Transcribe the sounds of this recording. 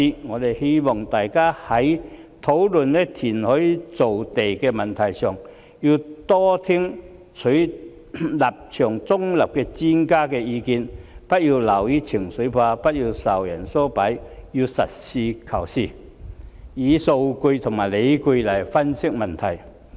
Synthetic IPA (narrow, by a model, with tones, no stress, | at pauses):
i˧ŋɔː˨˧d̪e˨jhe˥jmɔ˨˩ŋt̪aː˨jkaː˥hɐ˨˦jt̪ʰo˨˥wlɵ˨nlɛ˧˥t̪ʰiː˨˩nhɔ˨˥jt͡so˨wt̪e˨jkɛ˧mɐ˨nt̪ʰɐ˨˩jsœː˨˩ŋ | ji˧wt̪ɔː˥t̪ʰi˥ŋ | t͡sʰɵ˨˥ | la˨˩p̚t͡ʃʰœː˨˩ŋt͡sʊ˥ŋlɐ˨˩p̚kɛ˧t͡si˥nkaː˥kɛː˧iː˧ki˨˧npɐ˥t̚ji˧lɐ˨˩wji˧˥t͡sʰɪ˨˩ŋsɵ˨˥pʰaː˧pɐ˥t̚ji˧wsɐ˨˩wjɐ˨˩nsɔː˥pɐ˨˥jji˧sɐ̰˨t̚siː˧kʰɐ˨˩wsiː˧˩ | iː˨˧so˧wku˧jt̪ʰʊ˨˩ŋmaː˨˩jle˨˧jku˧lɐ˨˩jfɐ˥nsɪ˥k̚mɐ˨nt̪ʰɐ˨˩j